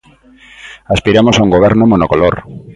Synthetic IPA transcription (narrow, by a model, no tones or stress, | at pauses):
aspiɾamosauŋɡoβ̞ɛɾnomonokoloɾ